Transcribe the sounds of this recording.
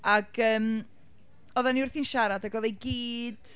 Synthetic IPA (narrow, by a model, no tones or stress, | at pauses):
aɡ̥əːm | ɔðaniʊrθinʃaɾadaɡɔðejɡiːd̥